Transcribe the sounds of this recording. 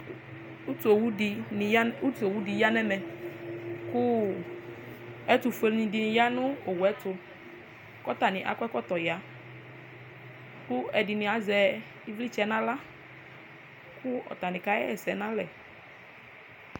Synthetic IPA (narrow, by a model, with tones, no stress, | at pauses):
u˦tu˨o˨wu˦di˨a˦u˦tu˨o˨wu˦di˨ja˦nɛ˦mɛ˨ | kʊ˦ | ɛ˦tʊ˨fe˨lnɪ̃˨dɪ˨nɪ̃˨ja˦nʊ̃˦o˨wɛ˦tʊ˨˧ | kɔ˦t̪a˨nɪ̃˨ʔa̰˨kɛ˦kɔ˦t̪ɔ˨ja˨˦ | kʊ˦ɛ˨dɪ˨nɪ̃˨a˨zɛ˨ | i˦vli˦t͡ʃɛ˦nã˦la˦ | kʊ˦ɔ̰˨t̪a˨nɪ̃˨ka˦ɛ̰˦ɛ˨sɛ˨˦nã˦lɛ˨